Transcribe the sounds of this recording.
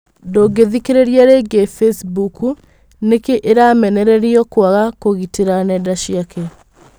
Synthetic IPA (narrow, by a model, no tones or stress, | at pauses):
ndoːɡeðikeɾeɾiaɾeːɡefesbuku | nekeʔeɾamɛnɛɾɛɾiɔkwaɣakoɣiteɾanɛdaʃiakʰɛ